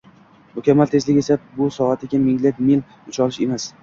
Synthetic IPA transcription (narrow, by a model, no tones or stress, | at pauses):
mʊkʲʰamːalt̪ʰe̞zlɪe̞sabʊsɒat̪ʰɪɡʲamɪŋlekʲmil | ʊt͡ʃʰɒlɪʃe̞mas